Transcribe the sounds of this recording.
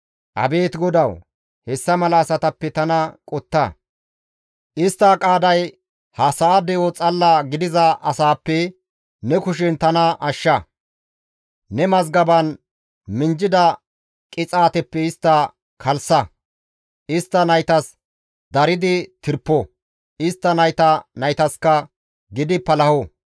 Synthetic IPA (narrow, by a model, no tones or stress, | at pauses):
ʔɐ̰be̞ːt̪ɡɔd̪ɐw | hɛsːɐmɐlɐːsɐt̪ɐpːɛt̪ɐnɐkʼɔt̪ːɐ̰ | ʔɪst̪ːɐkʼaːd̪ɐj | hɐsɐːd̪ɛot͡sʼɐlːaɡɪd̪ɪzɐʔɐsaːpːɛ | nɛkʊʃ̬ɪnt̪ɐnɐʔɐʃːɐ | nɛmɐzɡɐbɐn | mɪnd͡ʒɪd̪ɐ | kʼɪt͡sʼaːt̪ɛpːɛɪst̪ːɐ | kʰɐlsɐ | ʔɪst̪ːɐnɐjt̪ɐs | d̪ɐɾɪd̪ɪt̪ɪɾpːɔ | ɪst̪ːɐnɐjt̪ɐnɐjt̪ɐskɐ | ɡɪd̪ɪpːɐlɐhɔ